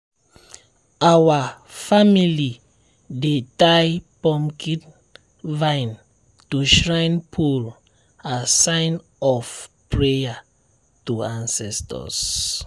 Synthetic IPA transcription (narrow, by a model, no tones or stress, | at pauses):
awafamili | detajpɔ̃mkʰit | vãɪn | tuʃɹãɪnpʰul | asãɪn | ɔfpɹeja | tuãnsɛstɔ̰s